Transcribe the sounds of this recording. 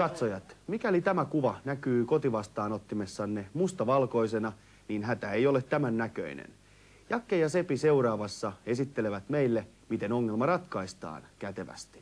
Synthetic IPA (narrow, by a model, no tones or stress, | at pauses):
ɑt̪sojɑt̪mikælit̪æmækuʋɑnækyːko̞t̪iʋɑst̪ɑːnot̪ːimesːɑnːemust̪ɑʋɑlko̞ise̞nɑ | niːnɦæt̪æejo̞let̪t̪ːæmænːækø̰inḛn | jɑkːejɑse̞pise̞uɾɑːʋɑsːɑe̞sit̪ːele̞ʋæt̪meilːe | mit̪e̞no̞ŋːelmɑrɑt̪kɑist̪ɑ̰ːnkæt̪e̞ʋæ̰st̪i̥